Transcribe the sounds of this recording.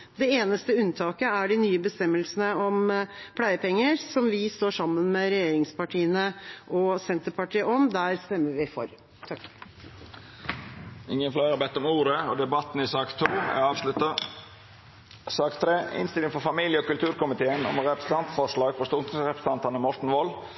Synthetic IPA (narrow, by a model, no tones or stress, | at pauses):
d̪ɛeːnəst̪əʉnt̪ʰɑːkəæɖɪnyːəbəst̪ɛmːəlsən̩əɔmpʰlæɪəpɛŋːəɾsɔmʋɪst̪oːʂɑmːənmɛɾɛjeːɾɪŋspɑʈʰiːənəʔɔsɛnt̪əɾpɑʈiːəʔɔmd̪æɾst̪ɛmːəɾʋɪfɔ̰ɾ | t̪ʰɑk | ɪŋːənflæɪɑɾbɛt̪ːɔmuːɾəɔd̪ɛbɑt̪n̩ɪsɑːkt̪ʰuːæ̰ɑːʋʂlʉt̪ə | sɑːkt̪ʰɾeːɪ̰nst̪ɪlɪŋfɔɾfɑmiːljəɔkʉlt̪ʉːɾkʊmɪt̪ʰeːənɔ̰mɾɛpɾəsə̥t̪ɑnt̪fɔʂɭɑːɡfʰɔst̪uɾɛpɾə̥st̪ʰɑnt̪ɑnəmɔʈɳ̩ʋɔl